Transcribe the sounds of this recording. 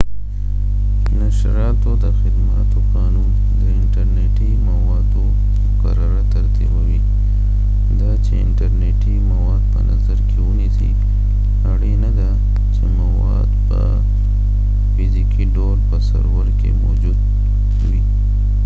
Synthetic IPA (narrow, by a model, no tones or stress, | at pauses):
naʃɾɑt̪od̪əxɪd̪mat̪oqɑnun | d̪əɪɳʈaɾneʈimawɑd̪o | mʊkaɾaɾat̪aɾt̪ibawi | d̪ɑt͡ʃeɪɳʈaɾneʈimawɑd̪̚pə̰nazaɾkʰewunisḭ | aɽinad̪a | t͡ʃemawɑ̰d̪pə̰ | fizikiɖoɾpəsa̰ɾwəɾkḛmod͡ʒud̪ | wi